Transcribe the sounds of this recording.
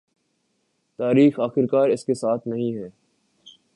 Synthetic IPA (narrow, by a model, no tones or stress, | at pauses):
t̪aːɾiːxaːxɪɾkaːɾɪskesaːt̪ʰnɐɦĩɦɛː